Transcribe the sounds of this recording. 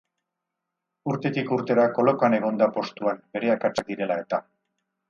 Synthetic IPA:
uɾt̪e̞t̪ikuɾt̪e̞ðako̞lo̞kane̞ɣ̞o̞nd̪apo̞st̪uambe̞ɾe̞akat͡ʃad̪iɾe̞lae̞t̪a

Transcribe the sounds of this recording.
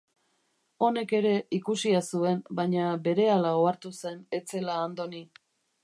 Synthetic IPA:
o̞ne̞ke̞ɾe̞ikusiasue̞mbajɲabe̞ɾe̞alao̞aɾt̪use̞ne̞t͡se̞laːnd̪o̞ni

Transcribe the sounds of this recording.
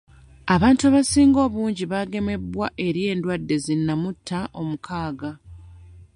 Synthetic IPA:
aβaːntuaβasiːŋɡo̞ːβuːɲɟiβaɡe̞me̞bwaʔe̞ɾje̞ːndwadːe̞zinːamutʰːaʔo̞mukʰaːɡa

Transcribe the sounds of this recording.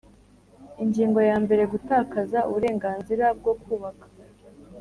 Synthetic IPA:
iɲɟiːŋɡo̞jaːmbe̞ɾe̞ɡutaːkazaṵβuɾe̞ːŋɡaːnziɾab̚ɡo̞kuːβakḁ

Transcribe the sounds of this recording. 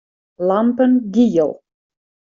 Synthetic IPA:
lampənɡiːəlˠ

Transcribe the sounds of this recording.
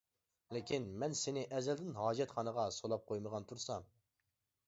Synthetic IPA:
lɪkʲʰinmɛnsɪnɪʔɛzɛld̪ɪnɦɑːd͡ʒɛt̪χɑnəʁɑsolˠɑp̚qʰojməʁɑnt̪ʰuɾsɑm

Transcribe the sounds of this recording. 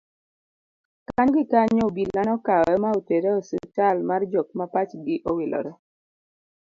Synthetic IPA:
kaɲɡɪkaɲoobilːanɔkaɛmaoteɾeosut͡ʃalmard͡ʒok̚mapat͡ʃɡɪʔowɪlʔɔ̰ɾɛ

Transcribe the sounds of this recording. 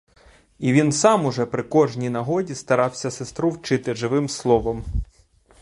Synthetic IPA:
iʋʲinsɑmʊʒɛpɾɪkɔʒnʲijnɐɦɔdʲist̪ɐɾɑwsʲɐsest̪ɾuwt͡ʃɪt̪ɪʒɪʋɪmslˠɔʋɐm

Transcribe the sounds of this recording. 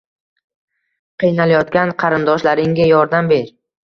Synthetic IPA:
qʰɨjnalajɒt̪kʲanqʰɑɾɪnd̪ɒʃlaɾɪŋɡʲajɒɾd̪ambe̞ɾ

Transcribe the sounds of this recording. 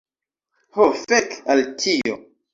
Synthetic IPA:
hofekaltʰio

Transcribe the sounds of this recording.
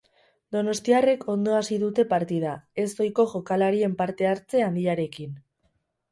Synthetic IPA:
d̪o̞no̞st̪iare̞kʰo̞nd̪o̞asiðut̪e̞paɾt̪ið̞ae̞sβojko̞ʝo̞kalaɾie̞mpaɾt̪e̞aɾt͡se̞and̪iaɾe̞kin

